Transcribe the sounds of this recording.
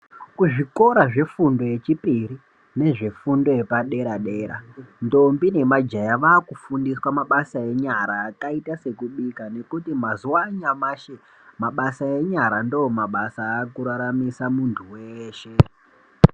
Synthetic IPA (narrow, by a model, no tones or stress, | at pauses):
kuʐiko̞ɾaʐe̞fundo̞je̞t͡ʃipiɾi | ne̞ʐe̞fundo̞je̞paɗe̞ɾaɗe̞ːɾa̰ndo̞mbine̞mad͡ʒajaʋaːkufundiswamaɓasae̞ɲaɾaːkaitase̞kuɓikane̞kutimazuwaɲamaʃe | maɓasae̞ɲaɾandoomaɓasaːkuɾaɾamisamuntʰuweːʃe